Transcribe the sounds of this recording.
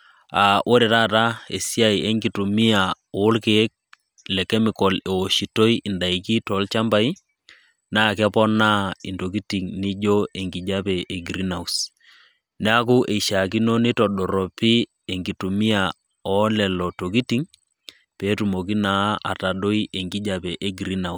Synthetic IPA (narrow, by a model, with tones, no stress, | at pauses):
a˨ʔo˦ɾɛ˨ta˦˨ta˦ḛ˨si˦a˦i˨e˦ŋɡi˨tu˨mi˦a˨ | oː˨˦lke˨˦k̚ | lɛ˨kɛ˦mi˨kɔ˨le˨wo˨ʃi˨to˦i˦ʔi˨nda˨i˨ki˦tɔ˨˦lt͡ʃa˦mba˦i˦ | naː˦kɛ˦pɔ˦na˦i˨nto˨ki˦ti˨ŋni˦d͡ʒo˦e˨ŋɡi˨d͡ʒa˦pɛ˨ʔe˨ɡɾi˦na˨u˨s | nɛ˦a˦k̬u˦ʔe˨i˨ʃa˨ki˦no˦ni˦tɔ˨ɗɔ˨ɾɔ˨pi˦ | e˨ŋɡi˨tu˨mi˦a˨ | ɔ˨˦lɛ˨lɔ˨to˨k̬i˦ti˨˦ŋ | peː˨˦tu˨mo˨ki˦na˨˦ʔa̰˨ta˨ɗo˦i˦ʔe˨ŋɡi˦d͡ʒa˨pɛ˨ʔe˦ɡɾi˦na˨